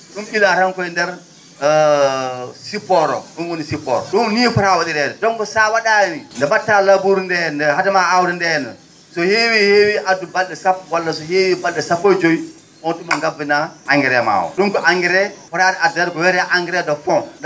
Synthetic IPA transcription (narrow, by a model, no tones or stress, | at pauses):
ɗumɓilaɾankɔindɛɾ | sipːɔɾɔ̰ɗunwɔnisipɔ̰ɾɔ̰ɗunnifɔɾawaɗidɛdɛdɔŋkɔsawaɗanindɛbatːalabuɾndɛndɛɦatamaawɾindɛɛnɛ̰ | sɔhewiheːwiʔadubalɗɛsapːwalːasɔhewibalɗɛsapːojd͡ʒoi | ɔnɗumaŋɡabinaaŋɡɛɾɛma̰ːwɔ̰ɗunkɔʔaŋɡiɾɛfɔɾadɛaduɛɾkɔwɛɾɛʔaŋɡiɾɛdɔfɔm